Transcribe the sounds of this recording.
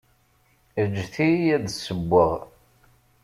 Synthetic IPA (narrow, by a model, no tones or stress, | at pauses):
əd͡ʒːθijæðsəbʷːəʁ